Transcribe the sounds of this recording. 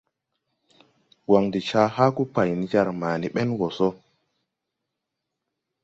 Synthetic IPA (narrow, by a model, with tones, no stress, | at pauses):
wa˨ŋdi˨t͡ʃa˦haː˦ku˦pa˨jni˦t͡ʃa˦˨ɾmaː˨ni˨ɓɛ˦nwɔ˨sɔ˦